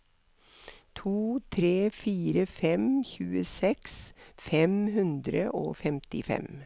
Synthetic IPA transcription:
t̪ʰuːt̪ʰɾeːfiːɾəfɛmçʉːəsɛksfɛmɦʉnd̪ɾəʔo̰ːfɛmt̪ɪfɛ̰m

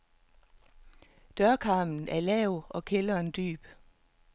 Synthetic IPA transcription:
d̥ɶɐkʰɑ̈ːmn̩æɐlɛʊʔɒ̽kʰelɐnd̥y̰ːb̥

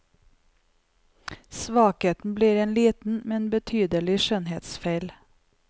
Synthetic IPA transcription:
sʋɑːkheːt̪n̩bliːɾeːnliːt̪n̩mɛnbət̪ʰyːd̪əlɪʃœnheːt̪sfeɪl

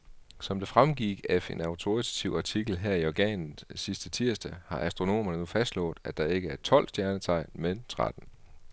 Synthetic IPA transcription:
sɒ̽md̥e̝fʁamɡ̥iɡ̥efe̝nɑ̈ʊt͡sʰo̝it͡sʰæ̥t͡sʰiʊɑ̈t͡sʰiɡ̥l̩ɦeɐ̰iɒɡ̥ɛ̰ːnn̩sisd̥ət͡sʰiɐ̰sd̥æhɑ̈ʔæsd̥ʁo̝no̝̰ːmɐnənufæsd̥lɔ̰̽ːd̥ˠæd̥ɑ̈e̝ɡ̥əæɐt͡sʰɒ̽l̰sd̥jæɐnət͡sʰɑ̈ɪ̰nment͡sʰʁa̰d̥n̩

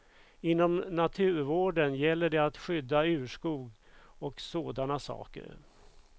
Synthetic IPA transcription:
ɪnːɔmnat̪ʰʉ̟ːɾvoːɖənjɛlːəɖɛat̪ɧʏd̪ːaʉ̟ːʂkuːɡɔksoːd̪anasɑ̰ːkə̰ɾ

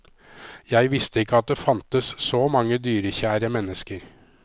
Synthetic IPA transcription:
jæɪʋɪst̪əɪkːəɑt̪̚d̪eːfɑnt̪əssɔmɑŋːəd̪yːɾəçæːɾəmɛnːəskəɾ

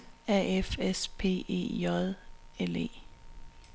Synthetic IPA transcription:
æefespʰe̝̰ːe̝̰ːjɒðˠelḛː

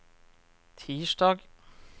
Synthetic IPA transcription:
t̪ʰiːʃɖɑːɡ

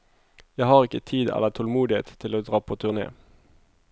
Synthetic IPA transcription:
jæɪhɑːʁɪkət̪ʰiːd̪ɛ̰lət̪ʰɔlmuːd̪ɪhḛːt̪t̪ʰɪloːd̪ʁɑːpʰoːt̪ʰʉʁnḛː

